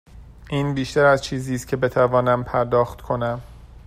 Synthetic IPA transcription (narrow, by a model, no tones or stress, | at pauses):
ʔiːnbiːʃt̪æɾæzt͡ʃʰiːziːst̪̚cʰe̞be̞t̪ʰævɒːnæmpʰæɾd̪ɒːxt̪kʰo̞næm